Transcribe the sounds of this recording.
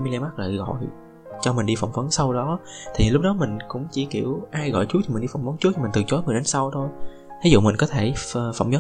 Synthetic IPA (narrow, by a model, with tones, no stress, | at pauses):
mi˧li˧ma˦˥k̚lə̰ː˧˨ɣɔ̰˧˨j | t͡ɕɔ˧mï˨˩ŋ̟ɗi˧fə̰˧˩wŋ͡mvə˨˦nsa˧wɗɔ˨˦t̪ʰi˨˩lʊ˦˥k͡p̚ɗɔ˨˦mï˨˩ŋ̟kʊ̰˧˥ŋ͡mt͡ɕi˧˩ki˧˩əwʔaː˧jɣɔ̰˧˨jt͡ɕu˧˦˥t̪i˨˩i˨˩n̟ɗi˧fa˧˨˩wŋ͡mvə˨˦nt͡ɕu˦˥˨mi˨˩ŋ̟t̪ɨ˨˩t͡ɕo˨˦jŋɨ˨˩əɗe˨˦nsa˧wt̪ʰo˧j | t̪ʰi˨˦zṵ˧˨mï˨˩ŋ̟kɔ˨˦t̪ʰe˧˩˨fə̰˧˨wŋ͡mzə˨˦